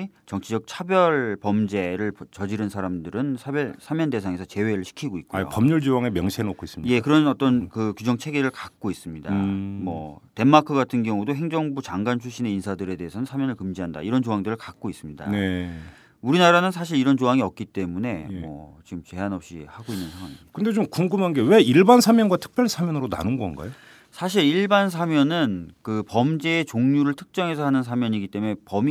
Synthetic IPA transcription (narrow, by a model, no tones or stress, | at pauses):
t͡ɕʌŋt͡ɕʰid͡ʑʌk̚t͡ɕʰabjʌɭpʌmd͡ʑe̞ɾɯɭt͡ɕʌd͡ʑiɾɯnsʰaɾamdɯɾɯnsʰabjʌsʰamjʌnde̞sʰaŋe̞sʰʌt͡ɕe̞we̞ɾɯɭɕʰi̥kʰiɡoit̚k͈uo̰pʌmɲuɭd͡ʑowaŋemjʌŋɕʰenokʰois͈ɯmɲije̞kɯɾʌnʌt͈ʌnkɯkud͡ʑʌŋt͡ɕʰe̞ɡeɾɯɭkak̚k͈ois͈ɯmɲidamʌte̞mːakʰɯɡatʰɯnɡjʌŋudoɦe̞ŋd͡ʑʌŋbut͡ɕaŋɡant͡ɕʰuɕ͈ine̞insʰadɯɾe̞de̞ɦesʰʌnɯnsʰamjʌnɯɭkɯmd͡ʑiɦanda̰iɾʌnt͡ɕoɦaŋdɯɾɯɭkak̚k͈ois͈ɯmɲida̰ne | uɾinaɾanɯnsʰaɕ̬ʰiɾiɾʌnt͡ɕoɦaŋiʌk̚k͈it͈e̞mune̞mwʌ̰t͡ɕiɡɯmt͡ɕe̞ɦanʌp̚ɕ͈ḭhaɡoinːɯnsʰaŋwaŋikɯnde̞t͡ɕomkuŋɡɯmɦanɡe̞we̞iɭbansʰamjʌnɡwatʰɯ̥k̚p͈ʰjʌɭsʰamjʌnɯɾona̰nɯnɡʌnɡa̰jo | sʰaɕ̬ʰiɾiɭbans̬ʰamjʌnɯnkɯpʌmd͡ʑe̞ːt͡ɕoŋɲuɾɯɭtʰɯ̥k̚t͡ɕ͈ʌŋe̞sʰʌɦanɯns̬ʰamjʌɲiɡit͈e̞mune̞pʌm